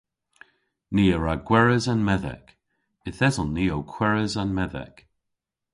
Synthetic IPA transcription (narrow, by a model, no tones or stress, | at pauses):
niːəɹaɡwɛɹəzanmɛðɛ̰k | ɪθɛzɔnːiːowkʰw̥ɛɹəzanmɛðɛ̰k